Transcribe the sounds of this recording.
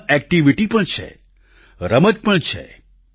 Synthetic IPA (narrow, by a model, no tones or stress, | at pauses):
ɛk̚ʈiʋiʈipəɳt͡ʃʰḛ | ɾəməd͡ʒpəɳt͡ʃʰḛ